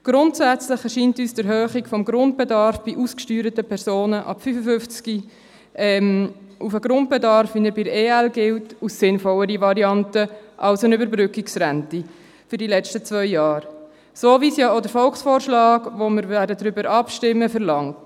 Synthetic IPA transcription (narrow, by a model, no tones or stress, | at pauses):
ɡ̥ɾʊntsæt͡slɪχɛʃiːntyːsd̥əɾɦøːχikfɔmɡɾʊnt̚b̥ɛdɑɾfb̥iʔuskʃtyːɾətəpʰɛɾsoːnəʔɑ̰pfyfəfʏft͡ski | ɛmʔufəɡɾʊnt̚b̥ɛdɑɾfinəbɪɾeːælɡɪltusːɪnfɔləɾiʋɑɾiɑntəʔɑlsənʏbəɾbɾʏkiksɾænti | fʏɾdilɛt͡ʃtət͡svœʏjɑːɾ | soːviːsjɑːodəɾfɔlksfɔːɾʃlɑːɡʋoməɾvæːdədɾʏbəɾʔɑpʃtɪmːəfəɾlɑŋt